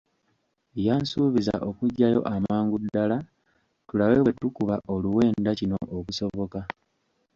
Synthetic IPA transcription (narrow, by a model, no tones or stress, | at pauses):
jaːnsuːβiza̰ʔo̞kuɟːajo̞̰ʔamaːŋɡudala | tulaweβwetukuβaʔo̞luwe̞ːndacino̞̰ʔokuso̞βo̞ka